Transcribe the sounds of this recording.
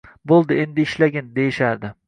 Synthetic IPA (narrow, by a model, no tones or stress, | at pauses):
bolˠd̪ɪend̪ɪːʃlaɡʲɪnd̪e̞jɪʃaɾd̪ɪ